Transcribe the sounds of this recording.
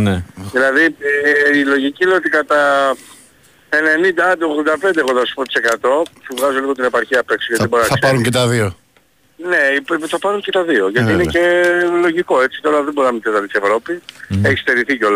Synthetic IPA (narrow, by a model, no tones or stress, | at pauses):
neðilɐði | ilo̞ʝicileoot̪ikɐt̪ɐ | ene̞nind̪ɐɐd̪eoɣðod̪ɐpe̞nd̪eɣoθɐsu̥po̞t̪i̥se̞kɐt̪o̞puvɣɐzoliɣo̞t̪ine̞pɐɾçiɐpe̞ksoʝɐt̪iboɾinɐɐsɐɾuɲcet̪ɐðio | ne̞ipθɐpɐɾuɲcet̪ɐðio̞ʝɐtiinecelo̞ʝiko̞e̞t͡si̥t̪o̞ɾɐðebo̞ɾinɐmit̪et̪ɐɾt̪ise̞vɾo̞pise̞çi̥st̪e̞ɾiθico̞lɐ